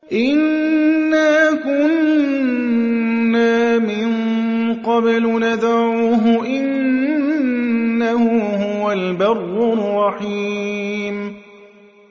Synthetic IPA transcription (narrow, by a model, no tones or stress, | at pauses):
ʔɪnː | aːkʊn | aːmɪn | qɑblnad̪ʕuːɦʊʔɪn | ahʊhʊʊwalbɑrːʊrˤːɑħiːm